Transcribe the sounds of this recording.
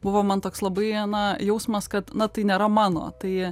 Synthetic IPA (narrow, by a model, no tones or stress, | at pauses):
bʊʋoːmɐnt̪oːkslˠɐbɐɪnɐjɛʊsmɐskɐt̪nɐt̪ɐɪnʲeːɾɐmɑːno̰ːt̪ɐɪ